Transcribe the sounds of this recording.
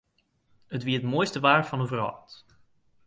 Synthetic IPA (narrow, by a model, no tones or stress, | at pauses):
ətʋiətmoːjstəʋaːrvɑnəvərɦɑ̰t